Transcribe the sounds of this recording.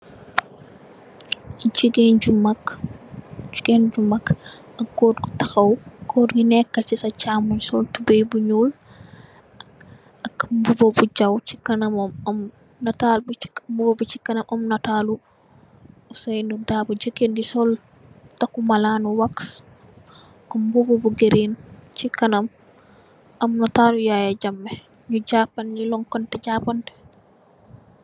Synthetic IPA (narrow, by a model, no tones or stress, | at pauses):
t͡ʃiɡend͡ʒumak | d͡ʒu̥ɡend͡ʒumak | ɐkːɔdɡtaxawkɔdɡinɛkːɐsisat͡ʃaːmuɲsɔltubejbuɲul | ʔɐkbubobud͡ʒawt͡ʃikɐnɐmɔmɔm | natalbbubobut͡ʃikːɐnɐmʔɔmnataːlu | usajnudaːbud͡ʒəkːendisɔl | takumalaːnuwaks | kumbubobuɡeɾint͡ʃikanam | ʔamnataːlujajaɟamːɛ | ɲuɟaːpanɲulɔŋkɔntɛɟapantɛ̥